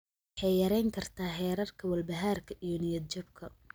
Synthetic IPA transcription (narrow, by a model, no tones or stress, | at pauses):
ħɛjjɐɾɛjŋkʰɐrt̪ʰaːɦɛːɾɐrkʰɐwɐlbɐɦaːrkʰɐʔijɔnɪjɐd̪̚t͡ʃɐbkʰɐ